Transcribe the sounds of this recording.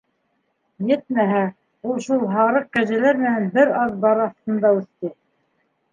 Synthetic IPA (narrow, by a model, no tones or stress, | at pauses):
jɘt̪̚mæɦæ | ulˠʃulˠɦɑɾɤq̚kæʒælæɾmɘ̆nænbɘɾɑðbɑɾɑθt̪ɤ̆nd̪ɑʉθt̪ɘ